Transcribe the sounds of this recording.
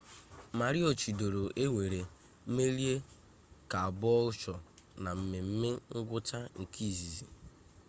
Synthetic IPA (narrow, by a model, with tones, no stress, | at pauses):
ma˨ɾi˦o˨t͡ʃi˨do˨ɾo˨ʔe˦ŋʷe˨ɾe˨˦ | me˦ɾi˦e˦ | ka˨a˨bɔ˦ʊ˦t͡ʃɔ˨na˨m̩˦mɪ˨m̩˦mɪ˦ŋ̩˦ɡʷʊ˦ta˦ŋ̩˨kʰi˦˨zi˨zi˨